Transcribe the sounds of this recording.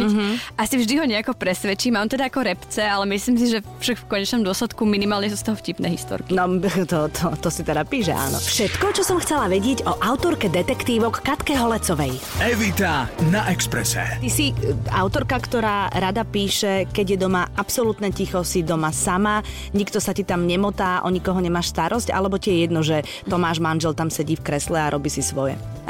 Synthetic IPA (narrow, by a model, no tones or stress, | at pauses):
ɦʔasivʒd̪iɦɔɲɛakɔpɾɛsʋɛt͡ʃiːmaːmt̪ɛd̪aakɔɾɛpt͡sɛalɛmisliːms̬iʒɛfʃakfkɔɲɛt͡ʃnɔmd̪ʊɔslɛt̪kuminimaːlɲɛs̬ust̪ɔɦɔfcipnɛːɦḭst̪ɔ̰ɾkinɔt̪ɔt̪ʰɔt̪ɔsit̪ɛd̪apiːʃ̬ɛ̰ʔa̰ːnɔ̰fʃɛt̪kɔt͡ʃɔsɔmxt͡sɛlaʋɛɟɪɛɟɔʔaʊt̪ɔɾkɛd̪ɛt̪ɛkt̪iːʋɔkːat̪kɛɦɔlɛt͡sɔʋɛj | ɛʋit̪anaʔɛkspɾɛ̰sɛ̰t̪isia̰ʊt̪ɔɾkakt̪ɔɾaːɾad̪apiːʃɛkɛɟjɛd̪ɔmaapsɔlut̪nɛcixɔsid̪ɔmasama | ɲikt̪ɔsacit̪amɲɛmɔt̪aːʔɔɲikɔɦɔɲɛmaːʃst̪aɾʔɔsca̰lɛbɔcijɛjɛd̪nɔʒɛ | t̪ɔmaːʒmanʒɛlt̪amsɛɟiːfkɾɛslɛaɾʔɔbiːsisʋɔjɛ̰